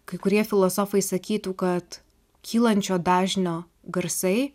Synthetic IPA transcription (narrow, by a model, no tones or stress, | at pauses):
kɐɪkʊɾʲiɛfʲɪlˠoːsoːfɐɪsɐkʲiːt̪uːkɐt̪ | kʲʰiːlˠɐnʲt͡ʃʲoːd̪ɑːʒʲnʲoː | ɡɐɾsɐɪ